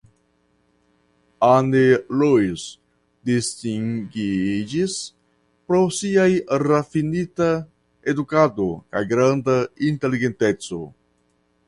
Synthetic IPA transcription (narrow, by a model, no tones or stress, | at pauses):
anelois | distiŋɡid͡ʒis | pɾosiajɾafinita | ed̪ukadoka̰jɡɾand̪aint̪e̞liɡent̪et͡so̞̰